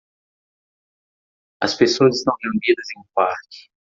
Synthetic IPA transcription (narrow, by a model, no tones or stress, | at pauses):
ɐ̰spesoɐzɪst̪ɐ̃w̃neũnd̪id̪ɐzẽj̃kaɾt͡ʃɪ̥